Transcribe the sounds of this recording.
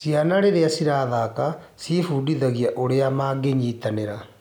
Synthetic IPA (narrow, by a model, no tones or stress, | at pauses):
sjanaɾeɾeasiɾaːðaka | sifuːdiðaɣiaʔoɾeamaːɡeɲiːtaneɾa